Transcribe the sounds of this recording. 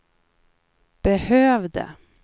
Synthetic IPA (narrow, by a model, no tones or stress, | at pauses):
b̥əhøːvd̪ə̰